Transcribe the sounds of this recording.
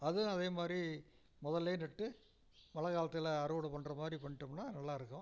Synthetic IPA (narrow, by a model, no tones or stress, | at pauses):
ɐðɯɐðeːmaːd̪ɾi | mɔðɐlːeːnɛʈːɯ | mɐlɐkaːlɐt̪ːɪlɐɐɾɯʋɽɯpɐɳːrɐmaːd̪ɾipɐɳːɪʈːɯmnaːnɐlːaːɪɾɯkːʊ̃